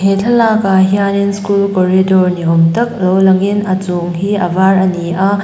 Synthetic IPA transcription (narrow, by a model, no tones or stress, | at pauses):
hetʰɐlakɐɦianinskulkoɾidoɾniomtɐk̚lowlɐŋenɐt͡soŋɦiɐ̰baɾɐniʔɐ